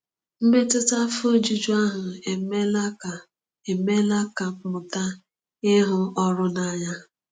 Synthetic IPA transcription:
m̩˦me˦tʊ˦ta˦fo˦d͡ʒi˦d͡ʒu˦a˦ɦʊ˨e˨me˦la˦ka˨ | e˨me˦la˦ka˨k͡pʊ˨ta˦ | ɪ˦ɦʊ˦ɔ˦ɾʊ˦na˦ɲa˦

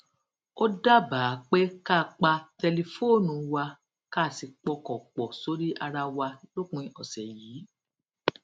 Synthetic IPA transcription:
o˦da˦baː˨˦k͡pe˦ka˦˨k͡pa˧tɛ˧le˧fo˦˨nũ˨wa˧ | ka˦˨si˧k͡pɔ˧kɔ̃˨k͡pɔ˨so˨˦ɾi˦ʔa˧ɾa˧wa˧lo˦kũ˧ĩ˧ʔɔ˨sɛ˨jiː˨˦

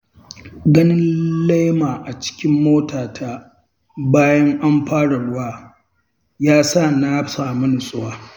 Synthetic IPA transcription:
ɡɐ˦nɪ˦nla˦jmaː˨ʔa˨t͡ʃɪ̥˦kʲɪ˦mːoː˦taː˨tʰa˦ | baː˦jɐ˦ŋʔa˦mɸaː˦ɽa˨ɽʊ˦waː˦ | jaː˦sa˦˨na˦saː˨mʊ˦nʊ˨sʼʊ˦waː˦

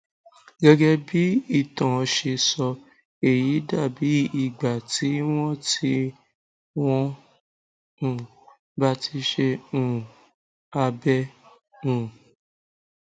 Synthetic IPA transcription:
ɡɛ˦ɡɛ˦bi˨˦i˦˨tɔ̃˨˧ʃe˧sɔ˧ | e˦˨ji˨˦da˦˨bi˨˦i˨ɡ͡ba˨ti˨˦w̃ɔ̃˦ti˦ | w̃ɔ̃˦ | ũ˨ | ba˦ti˧ʃe˧ũ˨ | a˧bɛ˦ | ũ˨

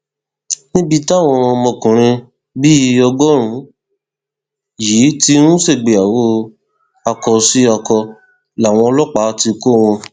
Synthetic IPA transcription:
nĩ˦bi˦˧ta˦˨w̃ɔ̃˧mɔ̃˧˨kũ˨ɾ̃ĩ˧ | bi˦˧˦ɔ˧ɡɔ˦ɾ̃ũ˨˦ | jiː˨˦ti˦nũ˦se˦˨ɡ͡be˨a˨wo˦ | a˧kɔ˧si˦a˧kɔ˧ | la˨w̃ɔ̃˧ɔ˧lɔ˦k͡pa˨˦ti˧ko˦˨w̃ɔ̃˧

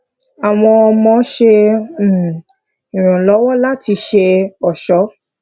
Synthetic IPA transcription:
a˨w̃ɔ̃˧ɔ˧mɔ̃˧˦ʃe˧˨ | ĩ˨ɾ̃ũ˨lɔ˨˦wɔ˦la˦ti˧ʃe˧ɔ˨ʃɔ˨˦

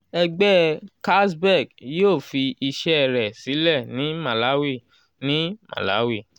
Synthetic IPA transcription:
ɛ˧ɡ͡bɛ˦ka˦sbɛ˦˨ɡjo˦˨fi˧i˧ʃɛ˦˧ɾɛ˨si˨˦lɛ˦˨nĩ˨˦ma˨la˨˦wi˦˨ | nĩ˨˦mã̰˨la̰˨˦wi˦˨

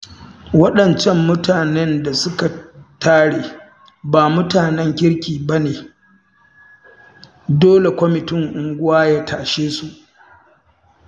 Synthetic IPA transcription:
wɐ˦ɗɐ˨nt͡ʃɛ˦mːʊ˦taː˨nɛ˦nda˨sʊ˦ka˨tʰaː˦ɽeː˨ | baː˨mʊ˦taː˨nɛ˦ŋkʲɪ˦ɽkʲiː˨ba˦neː˨ | doː˦le˨kʷɔ˦mɪ˨tɪ˦ŋʔʊ˨ŋɡʷʊ˦waː˦jaː˦tʰaː˨ʃeː˦su˨ʔ

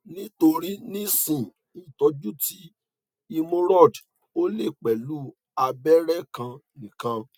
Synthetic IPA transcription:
nĩ˦to˧ɾi˦nĩ˦sĩ˨ | i˨tɔ˨˧d͡ʒu˦ti˨˦ | i˧mõ˧ɾɔ˦˨d | o˦le˦˨k͡pɛ˨lu˨˦ | a˧bɛ˦ɾɛ˦˨kã˧nĩ˨kã˧

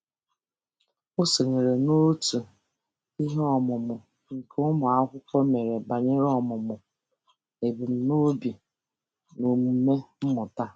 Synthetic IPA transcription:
ʊ˦so˨ŋe˨ɾe˨no˦tu˨ | i˦ɦɔ˦mʊ˨mʊ˨ | ŋ̩˨kʰʊ˦mʊ˨a˦kʷʊ˦kʷɔ˦me˨ɾe˨ba˨ɲe˦ɾɔ˦˨mʊ˨mʊ˨ | e˨bu˨m̩˨no˦bi˨ | no˨mu˨˦me˦m̩˦mʊ˨ta˦

